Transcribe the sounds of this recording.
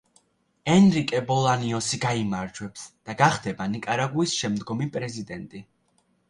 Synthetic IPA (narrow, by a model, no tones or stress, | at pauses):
ɛnɾikʼɛbɔlˠaniɔsiɡaimaɾd͡ʒwɛpsd̪̥aɡaχd̪ɛbanikʼaɾaɡuisʃɛmd̪ɡɔmipʼɾɛzid̪ɛnt̪ʼi